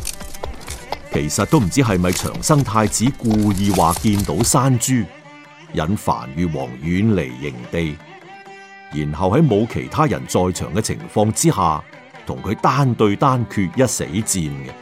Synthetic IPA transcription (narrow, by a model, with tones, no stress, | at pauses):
kʰe˨˩jsɐ˨t̚t̪o˥wm̩˨˩t͡siː˨˥ɦɐ˨jmɐ˨jt͡ʃʰœ̰ː˨˩ŋsɐ˥ŋt̪ʰaː˧jt͡siː˨˥kuː˧jiː˨˧waː˨kiː˧nt̪o˨˥wsaː˥nt͡ʃyː˥ | jɐ̰˨nfa̰ː˨˩nɥyː˨wɔ̰ː˨˩ŋjyː˨˥nle˨˩jːɪ̰˨˩ŋt̪e˨j | jiː˨˩nɦɐ˨whɐ˨˥jmo˨˧wkʰe˨˩jt̪ʰaː˥jɐ̰˨˩nt͡sɔː˨˧jt͡ʃʰœː˨˩ŋkɛ˧t͡sʰɪ̰˨˩ŋfɔː˧ŋt͡siː˥ɦaː˨ | t̪ʰʊ˨˩ŋkʰɵ˨˧t̪aː˥nt̪ɵ˧ɥt̪aː˥nkʰyː˧t̚jɐ˥t̚sḛ˨˥jt͡siː˧nɡɛ˧